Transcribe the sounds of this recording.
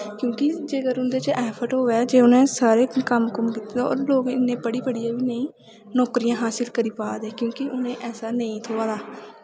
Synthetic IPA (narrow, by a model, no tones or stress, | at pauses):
kjõːkɪd͡ʒeːɡəɾʊnd̪eːt͡ʃʔɛːpʰəʈɦoːʋɛːd͡ʒeːʊnẽːsaːɾeːkəmkəmkɪt̪eːd̪ao̰ːɾloːɡɪnːẽːbəɽiːpəɽijãːʋiːnəĩː | nɔːkɾijãːɦaːsɪlkəɾiːpaːd̪eːkjõːkɪʔʊnẽːʔɛːsaːnəĩːt̪ʰoːʋaːd̪aː